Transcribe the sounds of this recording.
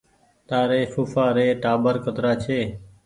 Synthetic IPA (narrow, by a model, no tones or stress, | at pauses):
t̪aːɾeːfuːfaːɾeːʈaːbəɾkət̪ɾaːt͡ʃʰeː